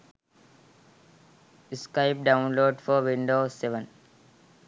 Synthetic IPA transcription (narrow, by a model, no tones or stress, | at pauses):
ɪskaɪp̚ɖãʊ̃nloːɖfɔɾʋĩɳɖoːseʋə̃n